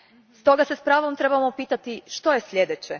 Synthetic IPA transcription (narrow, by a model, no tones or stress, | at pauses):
st̪o̞ɡasespɾaːʋo̞mt̪ɾe̞bamopiːt̪at̪iʃt̪o̞jesʎʲed̪et͡ɕe